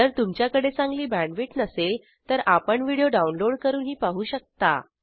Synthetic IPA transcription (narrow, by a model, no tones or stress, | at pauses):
əɾt̪umt͡ɕjakəɽet͡sãŋɡliːbæ̃ɳɖʋiʈnəsel | t̪əɾapəɳʋiɽijoɖaunloɽkəɾuːnɦiːpaɦuːɕək̚t̪a̰